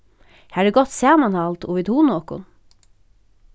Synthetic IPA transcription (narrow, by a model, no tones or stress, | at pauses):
hæːɖəɡɔt̪sæːmɑnhɑlt̪ʰuːʋɪd̪huːnoːkʊ̰n